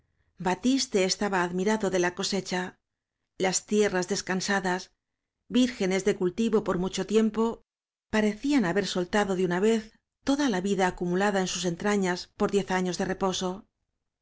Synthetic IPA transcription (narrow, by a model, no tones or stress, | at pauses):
bat̪ist̪e̞ːst̪aβaːðmiɾaðo̞ðe̞lako̞se̞t͡ʃa | last̪je̞razðe̞skansaðas | biɾxe̞ne̞zðe̞kult̪iβo̞po̞ɾmut͡ʃo̞t̪je̞mpo̞ | paɾe̞θianaβe̞ɾso̞lt̪aðo̞ðeunaβe̞θ | t̪o̞ðalaβiðaːkumulaðae̞nsuse̞nt̪ɾaɲaspo̞ɾðje̞θaɲo̞zðe̞re̞po̞so̞